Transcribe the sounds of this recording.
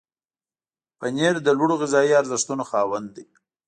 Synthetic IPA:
pəneɾd̪əlwuɽoɣɪzɑiaɾzɪʂt̪unoxɑwənd̪d̪i

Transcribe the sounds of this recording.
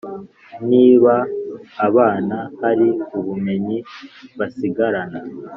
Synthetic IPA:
niːβaː | βaːnahaɾiuβume̞ɲiβasiɡaɾana

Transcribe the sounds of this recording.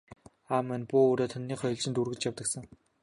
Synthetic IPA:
aːmːænpuːoːɾoːt̪ʰɔnːiːχɔjɞ̆ɮt͡ɕɪ̆nt̪urɣɘ̆t͡ɕjawt̪ə̆ksə̆ŋ

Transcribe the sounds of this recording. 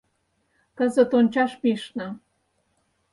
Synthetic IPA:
kə̆zə̆t̪onʲt͡ɕɑʃpiʃnɤ̆

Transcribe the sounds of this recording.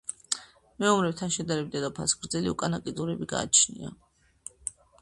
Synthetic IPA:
mɛɔmɾɛwt̪ʰaʃɛd̪aɾɛb̚d̪ɛd̪ɔpʰa̰sɡɾd̪zɛliukʼanakʼid̪zuɾɛbiɡa̰ːt͡ʃʰnḭa̰

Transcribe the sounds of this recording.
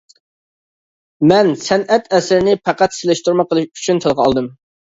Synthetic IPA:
mɛnsɛnɛt̪ɛsɪɾɪnɪpʰæqæt̪sɪlɪʃt̪uɾmɑqʰəlˠʃy̥t͡ʃʰynt̪ʰɨlˠʁəɑ̰lˠd̪ɨm

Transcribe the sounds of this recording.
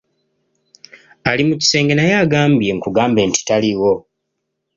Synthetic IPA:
alimuci̥se̞ːŋɡe̞najaːɡaːmbje̞ŋkuɡaːmbe̞ːnti̥taliwo̞

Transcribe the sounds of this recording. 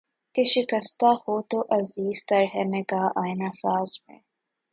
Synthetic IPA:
keʃɪkəst̪ahoːt̪oʔɐziːz̥t̪ɐɾɦɛmekaʔaːɪnasaːzmḛ̃

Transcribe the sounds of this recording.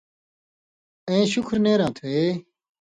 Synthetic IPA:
ẽːɕʊkʰɾneːɾãːt̪ʰueː

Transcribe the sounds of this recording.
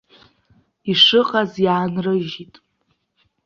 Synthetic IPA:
iʂɨqʼazjaːnrɨʒitʼ

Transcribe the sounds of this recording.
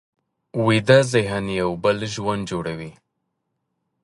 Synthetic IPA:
wid̪azɪɦanjawbəlʒwand̪d͡ʒoɽawi

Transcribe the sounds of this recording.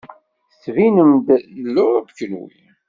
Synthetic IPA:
svinəmd̪lːʊʁævəkːənwḭ

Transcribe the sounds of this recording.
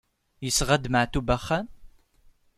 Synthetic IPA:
jəsʁad̪maʕt̪ubaχan

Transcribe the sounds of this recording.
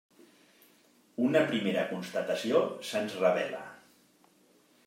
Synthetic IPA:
unəpɾimeɾəkunst̪ət̪əsiosənzrəβ̞ɛlə̰

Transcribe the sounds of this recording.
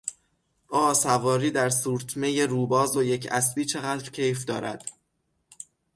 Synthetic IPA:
ʔɒːsævɒːɾiːd̪æɾsuːɾt̪ʰme̞jeɾuːbɒːzoje̞cʰæsbiːt͡ʃʰe̞ɣæːd̪ɾcʰe̞jfd̪ɒːɾæ̰d̪̥

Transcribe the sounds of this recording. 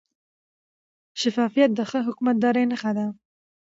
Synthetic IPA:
ʃɪfɑːfijat̪̚d̪əxəɦʊkmat̪̚d̪ɑɾenaxad̪a

